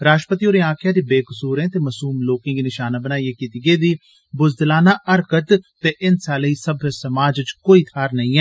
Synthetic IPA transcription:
ɾaːʃʈəpət̪iːoːɾẽːãːkʰɪjaːd̪iːbeːkəsuːɾẽːt̪eːməsuːmloːkɪ̃ːɡiːnɪʃaːnaːbənaːieːkiːt̪iːɡeːd̪iː | bʊzd̪laːnaːʔəɾkət̪t̪eːʔɪnsaːləiːsəbʱesəmaːd͡ʒt͡ʃkoːiːt̪ʰaːɾnəĩːɛː

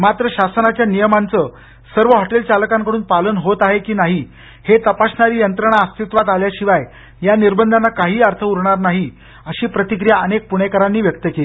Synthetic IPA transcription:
mat̪ɾəɕasnat͡ɕjanijəmant͡sə | səɾʋəɦɔʈelt͡saləkãŋkəɽuːnpalənɦot̪aɦekiːnaɦi | het̪əpaɕnaɾiːjənt̪ɾəɽ̃aəst̪it̪ʋat̪aljaɕiʋaj | janiɾbənd̪ʱanːakaɦiːaɾt̪ʰəuɾɳaɾnaɦi | əɕiːpɾət̪ikɾijaənek̚puɽ̃ekəɾanːiːʋjək̚t̪əkeliː

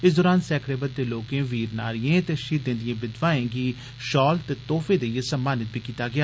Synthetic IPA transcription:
ɪsd̪ɔːɾaːnsɛːkʰɾeːbət̪̚d̪eːloːkẽːʋiːɾna̰ːɾɪjẽːt̪eːʃiːt̪d̪ẽːnd̪ɪjẽːbɪd̪ʋaːẽːɡiː | ʃɔːlt̪eːt̪oːfʰeːd̪eːijesəmːaːnɪt̪̚bʱiːkiːt̪aːɡɪaː

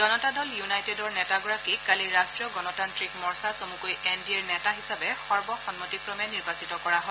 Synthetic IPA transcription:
d͡ʒɔnɔtadɔljunajtedɔɹnɛtaɡɔɹakikaliɹastɹijɔɡɔnɔtantɹikmɔɹsasomukojɛndiɛɹnɛtaɦisabɛxɔɹbɔxɔnmotikɹɔmɛniɹbasitɔkɔɹaɦɔ

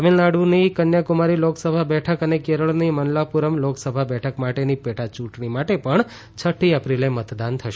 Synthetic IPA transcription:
əmelnaɽunikənjakumaɾiloksəbʱabɛʈʰəkənekeɾəɭnimənlapuɾəmloksəbʱabɛʈʰəkmaʈenipeʈʰat͡ʃũʈɳimaʈepəɳ | t͡ʃʰəʈʰiəpɾilemət̪d̪ant̪ʰəʃ

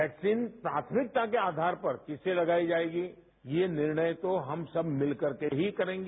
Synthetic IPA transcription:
ʋɛːksiːnpɾaːt̪ʰəmɪk̚t̪akeaːd̪ʱaːɾpɐɾkɪselɐɡaːid͡ʒaːeːɡi | jenɪɾɳəjt̪oɦɐmsɐbʱmɪlkɐɾkeɦikɐɾẽːŋɡe

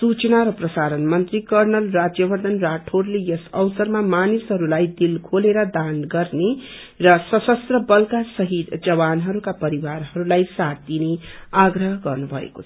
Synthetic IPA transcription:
sut͡snaɾʌprʌsaɾʌnmʌnt̪rikʌrnʌlrad͡zjʌbʱʌɾd̪ʌnraʈʰorlejʌsʌwsʌɾmamanisɦʌɾulajd̪ilkʰoleɾʌd̪anɡʌrne | rʌsʌsʌst̪rʌbʌlkasʌɦid̪d͡zʌβanɦʌɾukapʌɾiwaɾɦʌɾulajsat̪̚ːineaɡɾʌɦɡʌrnubʱʌ̰ḛko̥̰t͡sʰʌ̥

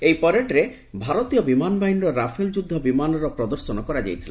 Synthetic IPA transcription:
ejpɔɾeʈɾe | bʱaɾɔt̪ijɔbimanbainɾɔɾapʰeld͡ʒud̪ʱːɔbimanɔɾɔpɾɔd̪ɔɾsɔnɔkɔɾad͡ʒa̰jt̪ʰilen

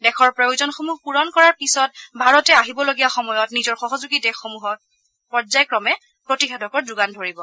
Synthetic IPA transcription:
dɛkʰɔɹpɹajzɔnxomuɦpuɹɔnkɔɹaɹpisɔtbʱaɹɔtɛaɦibɔloɡiaxɔmɔjɔtnizɔɹxɔɦɔzuɡitɛxomuɦɔt̚ | pɔɹzajkɹɔmɛ | pɹotixɛdʱɔkɔɹduɡandʱoɹibɔ

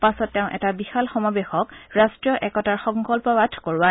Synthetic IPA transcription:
pasɔtːɛʊ̃ʔɛtabixalxɔmabexɔkɹastɹijɔʔɛkɔtaɹxɔ̃ŋkɔlpɔbadʱkoɹʊwa

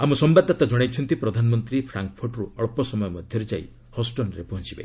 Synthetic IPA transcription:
amusɔmbad̪ʱːɔt̪ad͡ʒɔɽ̃ajt͡ʃʰɔnt̪ipɾɔd̪ʱanɔmɔnt̪ɾipʰɾaŋkɔpʰuɾʈɾuɔɭpɔsɔmɔjɔmɔd̪ʱjɔɾed͡ʒaḭ | hɔsʈɔnɾepɔɦɔnt͡ʃʰibḛ

